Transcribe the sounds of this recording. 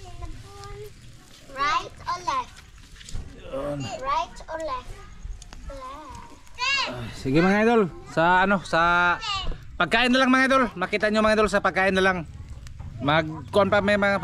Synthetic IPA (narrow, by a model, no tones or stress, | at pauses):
ɹajt̪ɔlajf | nɹajt̪ɔlajf | osiɡɪmɐŋajd̪ol | sɐʔɐnosɐ | pɐɡ̚kaːʔɪnːalaŋmɐŋajd̪olmɐkiːt̪aʔɲomɐŋajd̪ols̬ɐpɐɡ̚kaːʔɪnːalaŋ | mɐɡkoʔonpamajmɐŋa